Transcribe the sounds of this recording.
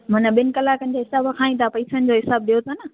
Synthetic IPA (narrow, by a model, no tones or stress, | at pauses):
mɐnəɓɪnɪ̆kɐlaːkənɪ̆d͡ʑeɦɪsaːbkʰaːĩt̪ʰapɐisənɪ̆d͡ʑoːɦɪsaːbɗijot̪ʰonɐ